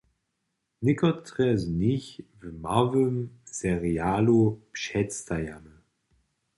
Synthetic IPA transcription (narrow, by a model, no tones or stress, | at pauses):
nɪkɔtʰʁɛzniçvəmavømsɛʁiaːlopʃɛt͡stajamə